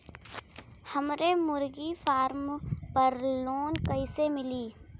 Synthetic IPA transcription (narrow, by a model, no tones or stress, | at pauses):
hɐmɾemʊɾɡifaːɾmpəɾloːnkəɪsemɪliː